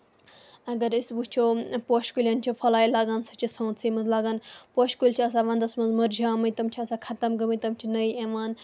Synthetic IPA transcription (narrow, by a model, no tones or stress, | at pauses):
ɐɡɐɾisbut͡ʃʰopoːʃkulʲɐnt͡ʃʰifʰɐlaːilaːɡaːnsɐt͡ʃʰisɐ̃ːt̪sʰimɐnzlaːɡaːnpoʃkulʲt͡ʃʰiɐs̬aːʋɐ̃nd̪ɐsmɐnzmɐɾd͡ʒʱaːmɐjt̪ɐmt͡ʃʰiɐsaːkʰɐt̪ɐmɡɐmit̪ɐmt͡ʃʰinɐjeʋaːn